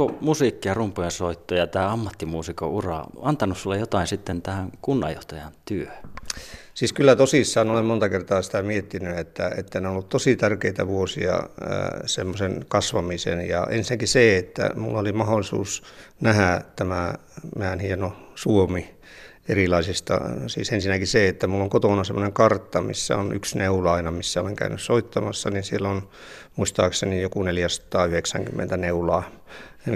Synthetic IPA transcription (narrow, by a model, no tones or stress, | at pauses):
komusikːiɑrumpːojɑsoit̪ːojɑt̪æːɑmːɑt̪ːimuːsiko̰urɑ̰ɑnt̪ɑnussulːejjot̪ɑˑinsit̪ːent̪æhæŋkunːɑ̰jo̰ht̪ɑjɑnt̪yø | siːskylːæt̪osisːɑːnolemmont̪ɑkert̪ɑːsi̥t̪æmiet̪ːinyet̪ːæet̪ːæneonolːut̪t̪osit̪ærkeit̪æʋuosḭɑ̰ | semːosenkɑsʋɑmisḛnjɑ̰ʔḛnsinækiseet̪ːæ̰mulːɑolimɑholːˑisṵːsnæhæt̪æmæmæːnhienosuomi | erilɑisist̪ɑ̰sḭːsensinːækiseet̪ːæmulːoŋkot̪onɑsemːoneŋkɑrt̪ːɑmḭsːæ̰onyksneuloɑinɑmisːæoleŋkæ̰ynyssoit̪ːɑmɑsːɑninsielːon | muist̪ɑːksenijokuneljæsɑ̥t̪ɑːyheksæ̰ŋkymːḛnt̪æneulɑː